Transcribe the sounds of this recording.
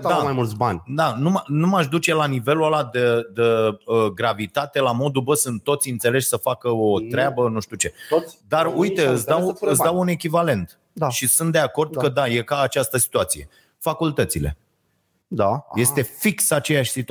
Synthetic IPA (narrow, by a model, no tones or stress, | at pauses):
d̪amajmult̪sbanʲd̪anuanumaʃd̪ut͡ʃe̞lanive̞lualad̪əd̪əəɡɾavit̪at̪e̞lamo̞d̪ubəsɨnt̪t̪ːo̞t̪sʲiɨnt̪se̞le̞ʃʲsəfakəot̪ɾeabənuʃt̪ut͡ʃe̞d̪arujt̪eɨt̪sawɨt̪sd̪awune̞kʲivale̞nt̪ | d̪aʃisunt̪d̪e̞ako̞rd̪̚kəd̪ajekaːt͡ʃast̪əsi̥t̪uat̪sije̞ | fakult̪ət̪sile̞̰ | d̪aje̞st̪e̞fiksat͡ʃe̞jaʃʲsit̪u